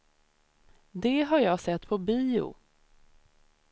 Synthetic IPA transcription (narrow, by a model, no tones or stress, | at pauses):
d̪ɛɦaɾjɑːɡsɛt̪ːpʰɔbiːʊ̰